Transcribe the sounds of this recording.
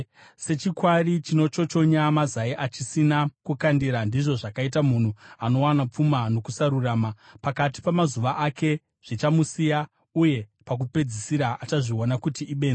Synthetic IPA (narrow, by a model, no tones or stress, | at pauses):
se̞t͡ʃikwarit͡ʃino̞t͡ʃo̞t͡ʃo̞ɲamazaiʔat͡ʃisinakukandiɾandiʐo̞ʐakait̬amun̤uano̞wanap͡fumano̞kusaɾuraːmapakati̥pamazuʋaʔake̞ | ʐ̥it͡ʃamusija | uje̞pak̬upe̞d͡zisiɾaʔat͡ʃaʐio̞nakutiʔːɓe̞ːna